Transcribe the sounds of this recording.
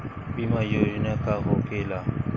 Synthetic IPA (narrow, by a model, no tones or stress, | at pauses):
bimajoinakʼaɣʊkʼɛla